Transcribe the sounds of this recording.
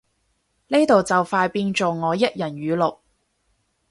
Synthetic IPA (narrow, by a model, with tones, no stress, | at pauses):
ne˥t̪o˨wt͡sɐ˨wfaː˧jpiː˧nt͡ʃo˨wŋɔː˨˧jɐ˥t̚jɐ˨˩nɥyː˨˧˥lo˨k̚